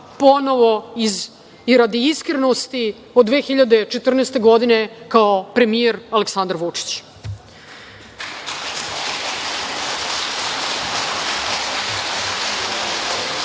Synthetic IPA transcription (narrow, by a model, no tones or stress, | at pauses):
po̞no̞ʋo̞iz | iɾad̪iiskɾenost̪i | od̪ʋeːxiʎad̪et͡ʃet̪r̩nest̪e̞ɡo̞d̪ine̞kaopɾe̞mijeɾaleksand̪aɾʋut͡ʂi̥t͡ɕ